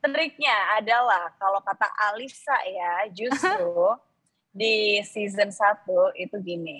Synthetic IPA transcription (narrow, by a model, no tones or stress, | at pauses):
t̪ɾik̚ɲaːdalahkalawkat̪a̰ʔalisa̰jad͡ʒusst̪ɾu | disizənsat̪uit̪uɡini